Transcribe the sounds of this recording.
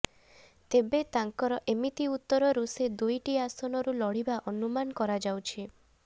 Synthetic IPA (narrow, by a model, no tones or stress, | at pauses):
t̪ebet̪aŋkɔɾɔʔemit̪iut̪ːɔɾɔɾused̪ujʈiasɔnɔɾulɔɽ̤ibaʔɔnumanɔkɔɾad͡ʒawt͡ʃʰi